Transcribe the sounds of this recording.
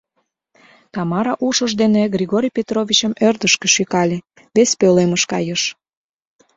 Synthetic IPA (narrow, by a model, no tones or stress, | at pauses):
t̪ɑmɑɾɑʔuʃəʒd̪eneɡrʲiɣoɾʲijpʲet̪rovʲit͡ɕəmørd̪əʃkĕʃykɑlʲĕ | βespøleməʃkɑ̰jəʃ